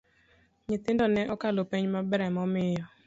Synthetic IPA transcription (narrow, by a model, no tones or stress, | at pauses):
ɲɪt̪ɪndɔnɛʔɔkalopeɲmabɛɾɛmɔmɪjɔ